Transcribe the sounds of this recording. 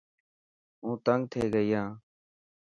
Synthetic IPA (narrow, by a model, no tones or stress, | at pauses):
ũːt̪əŋɡ̚t̪ʰeːɡəiːãː